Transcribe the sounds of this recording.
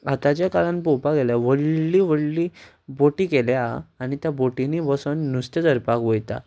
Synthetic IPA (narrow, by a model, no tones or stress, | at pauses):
at̪at͡ɕjakaɭãnpowpaɡeljaʋəɭliːʋəɽli | boʈiːkeljaːñit̪jaboʈiniʋəsənːust̪ed͡z̪əɾpakʋojt̪a̰